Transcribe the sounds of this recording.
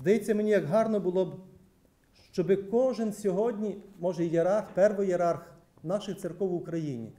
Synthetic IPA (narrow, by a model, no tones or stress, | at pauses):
zd̪ɐjet͡sʲːɐmenʲijɐɡɦɑrnɔbʊlˠɔb | ʃt͡ʃɔbɪkɔʒɪnsʲɔɦɔdʲnʲimɔʒɛjeɾɑrxpɛrʋɔjeɾɑrx | nɑʃɪxt̪sɪrkɔwʊkɾɐjinʲḭ